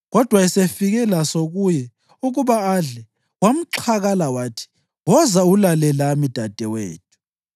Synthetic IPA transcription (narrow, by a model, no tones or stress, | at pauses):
ɣɔd̥ʱwaisefiɣɛlasoɣujɛ | uɣuβaːɮɛ | wam̩ǁʰaɣalawaːtʰi̥ | ŋɔzaulalɛlamid̥ʱad̥ʱʼɛwḛːt̚ʰu̥